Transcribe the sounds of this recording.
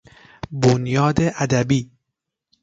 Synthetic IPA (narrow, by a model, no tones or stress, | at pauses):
bonjɒːd̪eʔæd̪æbiː